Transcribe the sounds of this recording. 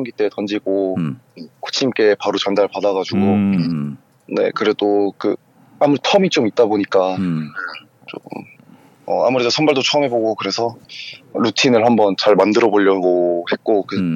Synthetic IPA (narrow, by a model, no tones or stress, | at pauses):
mŋɡit͈e̞tʌnd͡ʑiɡoeko̥t͡ɕʰimk͈e̞paɾot͡ɕʌndaɭpadaɡad͡ʑuɡo | ne̞̰kɯɾe̞dokɯ | amuɾetʰʌmit͡ɕ͈omit̚t͈aboɲik͈ane | t͡ɕo̰m | ʌ̰a̰muɾedosʰʌnbaɭdot͡ɕʰoʌmɦe̞boɡokɯɾe̞sʰʌɾutʰinɯɭhambʌnt͡ɕaɭmandɯɾʌboʎːʌɡohe̞t̚k͈okɯ